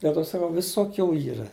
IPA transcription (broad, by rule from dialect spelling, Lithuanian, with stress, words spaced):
dʲɛlˠ ˈtoː sɐˈkɐʊ ˈʋʲɪsoːˌkʲuː ˈiːrɐ